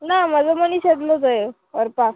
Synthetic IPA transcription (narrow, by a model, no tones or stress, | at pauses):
namad͡zəməniɕed̪lot͡səe | əɾpa